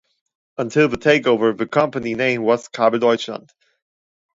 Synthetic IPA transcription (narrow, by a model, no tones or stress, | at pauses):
ə̃ntʰɪlˠðətʰeɪkoʊvə˞ðɨkʰʌ̃mpəninẽɪ̃mwʌz̥kʰɑbədɔɪt͡ʃlə̰̃nd̥